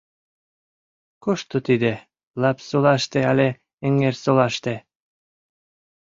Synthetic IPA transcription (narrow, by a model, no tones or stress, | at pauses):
koʃt̪ot̪id̪e | lɑpsolɑʃt̪eɑlʲe | eŋeɾsolɑʃt̪e